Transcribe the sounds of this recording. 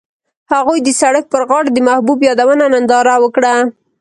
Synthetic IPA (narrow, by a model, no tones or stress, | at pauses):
haɣujd̪əsaɽək̚pəɾɣɑɽd̪əmahbubjɑd̪awənanand̪ɑɾawəkɽa